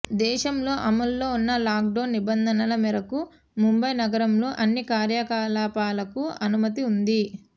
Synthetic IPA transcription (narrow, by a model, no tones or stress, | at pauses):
d̪ɛːʃɐmlo̞ːʔɐmɐlːo̞ːunːɐlaːk̚ɖɐːnːibɐnd̪ʱɐnɐlɐmiɾɐku | mumbɐjnɐɡɐɾɐmlo̞ːʔɐnːikaːɾjɐkaːlaːpaːlɐkuɐnumɐt̪iund̪i